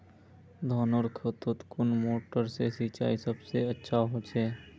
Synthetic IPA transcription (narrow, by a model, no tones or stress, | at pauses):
d̪ʱɔːnoɾkʰət̪ʊt̪kʊnmoːʈəɾsesiːt͡ʃa̰ːisəbseətːʃʰaɦot͡ʃʰeː